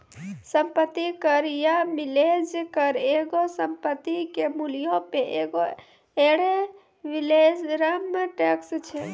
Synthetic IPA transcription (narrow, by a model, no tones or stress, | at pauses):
sə̃mpət̪ːikəɾjamiled͡ʒkəɾeɡosəmpət̪ːikemulijõpeʔeɡo | eɽe | ʋiled͡ʒɾamːəʈekst͡ʃʰe